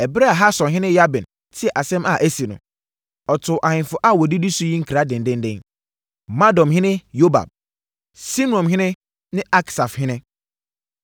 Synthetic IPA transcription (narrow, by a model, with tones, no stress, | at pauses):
ɛ˨bɾe˦a˨ɦa˦sɔ̃˨nɦɪ̃˦nɪ̃˦ja˦bɛ̃˨n | tʰɪ˦ɛ˨ʔa˨sɛ̃˦ma˦˨ʔe˦si˨nʊ̰̃˨ | ɔ˨tʰʊ˨ʔa˨hɪ̃˨nfʊ˨˦ʔa˦˨wɔ˨di˦di˦sʊ˦ji˦ŋ̩˦kʰɾa˨˦dɪ̃˨n˨dɪ̃˦ndɪ̃˦n | mã˦dɔ̃˨mɦɪ̃˦nɪ̃˦jo˦ba̰˨b̚ | si˦nu˨˦ɔ̃˨mɦɪ̃˦nɪ̃˦ | nɪ̃˦a˦ksa˨fhɪ̃˦nɪ̃˦